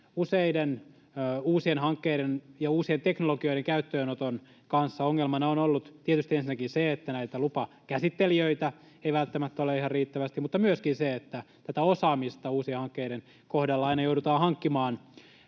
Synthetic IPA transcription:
useidenː | uːsienhɑŋkːeiɾenjɑuːsient̪eknoloɡio̞iɾeŋkæyt̪ːøːnot̪on | kɑnsːɑoŋːelmɑnɑonolːut̪t̪iet̪yst̪iensinːækinseet̪ːænæit̪ælupɑ | kæsit̪ːeliøit̪æ | eiʋælt̪ːæmæt̪ːoleihɑrriːt̪ːæʋæst̪imut̪ːɑmyøskinseet̪ːæt̪æt̪æosɑːmist̪ɑuːsiehɑŋkːeiɾen | kohdɑlːɑɑinɑjoudut̪ɑːhɑŋkːimɑːn

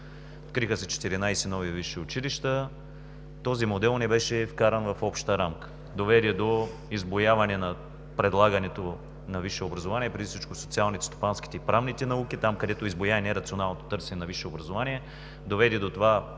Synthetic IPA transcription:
ot̪̚kɾixəsɛt͡ʃɛ̥t̪iɾinajsɛnɔviviʃiʊt͡ʃiliʃt̪ə | t̪ɔzimod̪ɛlˠnɛbɛʃɛfkaɾɐnvɐfɔpʃt̪əɾamkə̥ | d̪ovɛd̪ɛd̪o | izbojavɐnɛnɐ | pɾɛd̪lˠaɡɐnɛt̪o | nɐviʃɛobɾɐzovaniɛpɾɛd̪ifsit͡ʃkosot̪sialˠnit̪ɛ̥st̪o̥panski̥t̪ɛipɾavnit̪ɛnɐukit̪amkɐd̪ɛt̪oizbojanɛɾɐt̪sionalˠnot̪o̥t̪ɤɾsɛnɛnɐviʃɛobɾɐzovaniɛ | d̪ovɛd̪ɛd̪ot̪ova

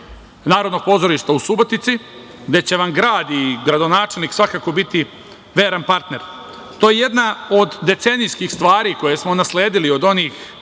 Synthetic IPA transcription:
naːɾo̞d̪no̞ɡ̚po̞zo̞ɾiʃt̪ausubo̞t̪it̪si | ɡd̪e̞t͡ɕe̞ʋaŋɡɾaːd̪iɡɾad̪o̞naːt͡ʃelniksʋakaːko̞bit̪i | ʋeːɾanpaɾt̪ne̞ɾ | t̪ojejed̪nao̞d̪ːe̞t̪se̞nijskixst̪ʋaːɾiko̞je̞smonasleːd̪ilio̞d̪o̞niːx

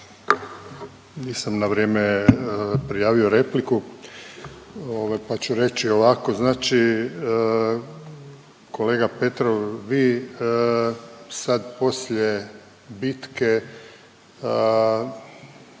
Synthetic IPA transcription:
niːsamnaʋɾjeme | pɾijaːʋio̞ɾe̞pliku | oʋajpat͡ɕuɾe̞t͡ʃio̞ʋako̞znaːt͡ʃi | kʰo̞leːɡape̞t̪ɾoʋʋi | sad̪po̞slʎe | bit̪ke

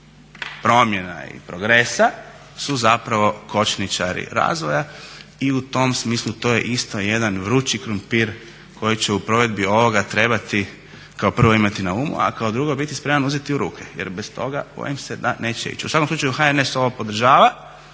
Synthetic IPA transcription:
pɾo̞mje̞na̰ḭpɾo̞ɡɾe̞sa | suzapɾaʋo̞kʰo̞t͡ʃnit͡ʃaɾḭɾa̰ːzʋojaiut̪o̞msmiːslˠut̪oːje̞̰ʔist̪ojed̪anʋɾuːt͡ʃikɾumpiɾ | kʰo̞jit͡ɕeupɾo̞ʋe̞d̪bio̞ʋo̞ɡat̪ɾe̞bat̪i | kaopr̩ʋo̞imat̪inauːmṵa̰kaod̪ɾuɡo̞bit̪ispɾe̞manuzet̪iuɾuːkʰejḛɾbest̪o̞ɡab̥o̰jimsed̪ane̞ːt͡ɕḛḭt͡ʃusakomsuːt͡ʃajuxaeneso̞ʋopo̞d̪r̩ʒaːʋa

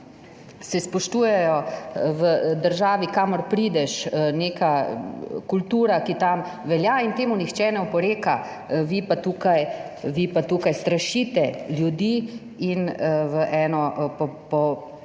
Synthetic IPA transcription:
sɛspɔʃt̪uːjɛjɔʋəd̪əɾʒaːʋikaːmɔɾpɾiːd̪ɛʃneːka | kult̪uːɾakit̪am | ʋɛljaint̪eːmunixt͡ʃɛnɛɔpɔɾeːka | ʋipat̪uːkajʋipat̪uːkajst̪ɾaʃiːt̪ɛljud̪iː | inʋəʔɛːnɔpɔpɔ

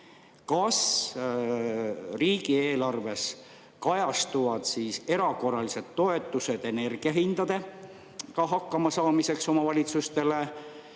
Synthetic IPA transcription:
kɑs | riːɡ̥ie̞ːlɑrve̞s | kɑjɑst̪uvɑd̪̥siːse̞ɾɑko̞rːɑlise̞d̪̥t̪ːo̞e̞t̪ːˑuse̞d̪̥e̞ne̞rɡ̥iɑɦind̪̥ɑd̪̥e̞ | kɑɦɑkːɑmɑsɑːmise̞kso̞mɑvɑlʲit̪sust̪e̞le̞

